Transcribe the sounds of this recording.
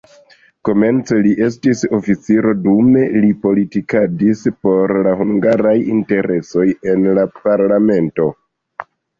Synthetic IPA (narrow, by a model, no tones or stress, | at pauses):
ko̞me̞nt͡se̞liʔe̞stiso̞fit͡siɾo̞dume̞lipo̞litikadispo̞ɾlahuŋɡaɾajinte̞ɾe̞so̞je̞nlapaɾlame̞nto̞